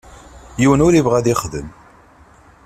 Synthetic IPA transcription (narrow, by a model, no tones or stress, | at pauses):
jiwənʊɾivʁæðiχðə̰m